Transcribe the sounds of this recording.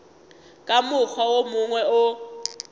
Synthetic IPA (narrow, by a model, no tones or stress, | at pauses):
kʼamʊk͡xʰɔwomʊŋwɛʔʊ